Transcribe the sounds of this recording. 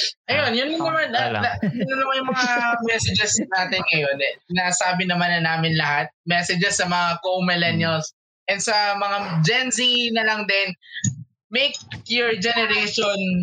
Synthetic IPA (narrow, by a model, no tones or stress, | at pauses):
ʔɐjonjʊnːɐŋːɐmanʔɐɐjʊnːɐnɐmajʊŋmɐŋamɛsɛd͡ʒɛsnaːt̪ɪnŋɐjo̞nɛsɪnasaːbɪnɐmanɐnaːmɪnlɐhat̪̚mɛsɛd͡ʒɛsːɐmɐŋakowmɪlɛnjɐls | ʔɛnd̪sɐmɐŋad͡ʒɛnzinɐlɐŋd̪ɛn | mejkjʊɹd͡ʒɛnɛɾejʃon